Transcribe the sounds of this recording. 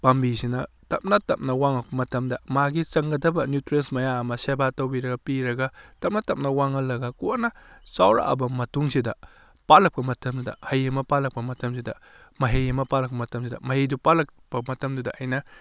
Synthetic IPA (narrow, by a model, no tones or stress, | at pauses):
pɐmbisinɐ | tɐp̚nɐtɐp̚nɐwaŋɐk̚pɐmɐtʰɐmdɐmaɡit͡ʃɐŋɡɐdɐbɐnjutɾensmɐjaɐmɐsebatɐwbiɾɐɡɐpiɾɐɡɐtɐp̚nɐtɐp̚nɐwaŋɐlːɐɡɐkuanɐsawɾa̰ʔɐ̰bɐmɐtuŋsidɐ | palɐk̚pɐmɐtʰɐmdudɐ̰hɐjɐmɐpalɐk̚pɐmɐtʰɐms̬idɐ̰ | mɐɦejɐmɐpalɐk̚pɐmɐtʰɐmsidɐ̰mɐɦejdupalɐkpɐmɐtʰɐmdudɐʔɐjnɐ